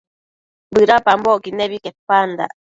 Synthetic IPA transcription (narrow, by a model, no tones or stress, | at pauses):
bɨɾapambokineβikepand̪a̰